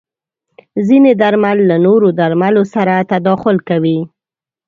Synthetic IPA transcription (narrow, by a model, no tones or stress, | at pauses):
zined̪aɾmalːanoɾod̪aɾmalosaɾat̪ad̪ɑxʊlkawi